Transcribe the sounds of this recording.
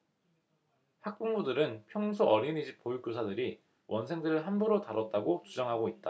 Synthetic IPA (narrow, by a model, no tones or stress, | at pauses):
hak̚p͈uŋbudɯɾɯnpʰjʌŋsʰoʔʌɾinid͡ʑipojuk͈josʰadɯɾi | wʔʌnsʰe̞ŋdɯɾɯɭɦambuɾotaɾʌt̚t͈aɡot͡ɕud͡ʑʌŋɦaɡoit̚t͈a